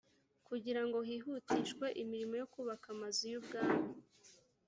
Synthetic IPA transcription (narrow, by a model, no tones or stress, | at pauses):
kuɟiɾaŋɡo̞hiɦutiʃkwe̞ʔimiɾimo̞jo̞kuβakamazujubɡaːmo